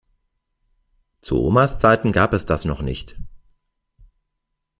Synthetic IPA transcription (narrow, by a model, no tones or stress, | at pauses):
t͡sṵʔo̰ːmast͡saɪtn̩ɡaːpɛsd̥asnɔχnɪ̰çt